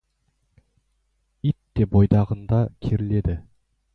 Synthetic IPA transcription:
it̪ːe̞bojd̪ɑʁənd̪ɑkʲʰeɾɪle̞d̪ɪ

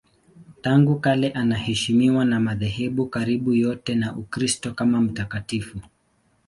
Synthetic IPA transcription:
taŋɡukalɛʔanahɛʃimiwanamaðɛɦɛɓukaɾiɓujɔtɛnaʔukɾistɔkamam̩takatifu

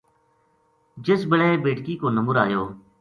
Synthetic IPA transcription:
d͡ʒɪsbəɽeːbeːʈkiːkoːnəmʊɾaːjoː

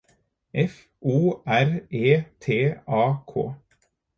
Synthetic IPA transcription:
ʔɛf | ʔuːæɾeːt̪ʰeːɑːkʰo̰ː

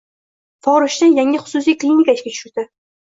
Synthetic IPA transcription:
fɒɾʊʃt̪ajaŋʲɪχʊ̥sʊs̬ijklʲinikaɪʃkʲatʰʊ̥ʃʊɾd̪̥ɪ

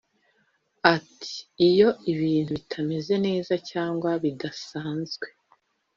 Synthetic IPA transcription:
atʰi̥ːjo̞iβiːn̥huβitʰame̞ze̞ne̞ːzacaːŋɡwaβidasaːnzɡwe̞

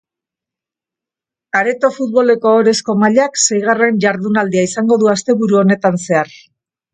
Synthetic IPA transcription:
aɾe̞t̪o̞fut̪̚βo̞le̞ko̞ːɾe̞sko̞maʎakse̞jɣare̞nʝaɾðunald̪iaisaŋɡo̞ðuast̪e̞βuɾuo̞ne̞t̪anse̞aɾ

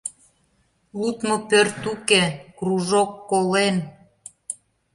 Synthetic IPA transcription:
lut̪mopørt̪ukekruʒokːolen

